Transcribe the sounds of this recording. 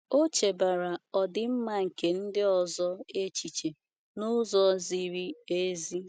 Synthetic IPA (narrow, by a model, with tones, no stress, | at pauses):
o˦t͡ʃe˨ba˨ɾa˨ɔ˨dɪ˨m̩˦ma˦ŋ̩˨ke˨n̩˦dɪ˦ɔ˨zɔ˦e˦t͡ʃi˨t͡ʃe˨ | nʊ˦zɔ˦zi˦ɾi˦e˦zi˦